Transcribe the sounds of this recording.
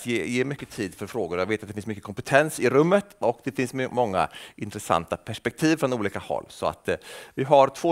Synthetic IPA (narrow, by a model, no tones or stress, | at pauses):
t̪jeːjeːmʏkːət̪ʰiːd̪fœɾfɾoːɡʊɾjaɡveːt̪at̪̚ɛfɪnsmʏkːəkʰɔmpɛt̪ʰɛnsɪɾɵmːət̪ɔkd̪ɛfɪnsmmɔŋːa̰ɪnt̪ɾɛsa̰nt̪apʰæʂpɛk̚t̪ʰiːvfɾɔnuːliːkahɔ̰lːsɔa̰t̪vɪɦaɾt̪ʰvoː